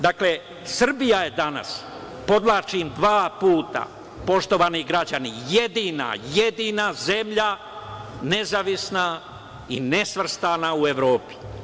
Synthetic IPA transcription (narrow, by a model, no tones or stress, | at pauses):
d̪akle | sr̩bijaje̞d̪ana̰s | po̞d̪lˠaːt͡ʃimd̪ʋaːpuːt̪a̰ | po̞ʃt̪o̞ʋaniɡɾad͡ʒanijed̪ina̰jed̪inaze̞mʎa | ne̞zaʋisna | ḭnesʋr̩st̪anaue̞ʋɾo̞ːpi̥